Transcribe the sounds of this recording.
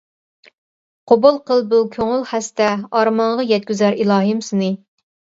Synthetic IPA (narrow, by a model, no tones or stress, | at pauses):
qʰobulˠqʰəlˠbukʲʰøŋɪlˠχæst̪ɛɑɾmɑɴʁɑjɛt̪̚kʲyzæɾilˠɑːɦɨmsɨnɨ